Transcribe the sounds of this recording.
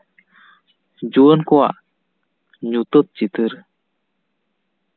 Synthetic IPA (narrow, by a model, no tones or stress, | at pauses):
d͡ʑuənkua̰ʔ | ɲut̪ət̪̚t͡ɕit̪ɯɾ